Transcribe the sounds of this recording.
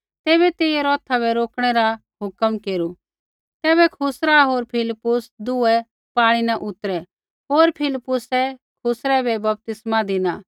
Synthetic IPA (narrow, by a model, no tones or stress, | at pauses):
t̪eːβɛt̪eːɛɾɔːt̪ʰabʱɛɾoːkɽ̃ɛɾa | ɦʊkəmkeːɾu | t̪ɛːβɛkʰʊsɾaɦoːɾpʰɪlɪpːʊsd̪ʊɛ | paːɽ̃inaʔʊt̪ɾɛ | ɦoːɾpʰɪlɪpːʊsɛkʰʊsɾɛbɛbɐp̚t̪ɪsmad̪ɪna